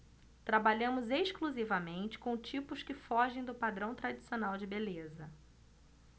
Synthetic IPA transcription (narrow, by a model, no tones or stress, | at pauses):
t̪ɾabaʎɐ̃mʊzeʃkluzivɐmẽnt͡ʃɪ̥kõw̃t͡ʃipʊskɪfɔʒẽj̃d̪ʊpad̪ɾɐ̃w̃t̪ɾad͡ʒisionawd͡ʒɪbelezɐ